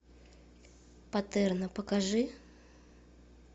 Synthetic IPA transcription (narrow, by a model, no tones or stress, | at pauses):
pɐt̪ɛrnəpəkaʐɨ